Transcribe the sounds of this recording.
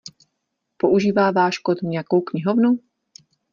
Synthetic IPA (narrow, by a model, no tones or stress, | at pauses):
poʔuʒiːvaːvaːʃkot̪ɲɛjakowkɲɪɦovnu